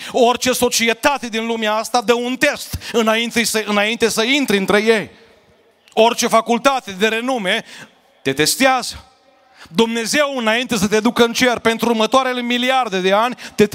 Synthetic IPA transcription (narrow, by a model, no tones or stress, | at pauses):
o̞rt͡ʃe̞so̞t͡ʃiet̪at̪e̞d̪inlumeaast̪ad̪əunt̪e̞st̪ɨnaint̪esəɨnaint̪e̞səint̪ɾiɨnt̪ɾe̞je̞j | o̞rt͡ʃe̞fakult̪at̪e̞d̪e̞ɾe̞nume̞ | t̪e̞t̪e̞st̪eazə̥ | d̪umne̞ze̞wɨnaint̪e̞sət̪ed̪ukəɨnt͡ʃe̞rpe̞nt̪ɾuːrmət̪oaɾe̞le̞miliard̪e̞d̪e̞anʲt̪e̞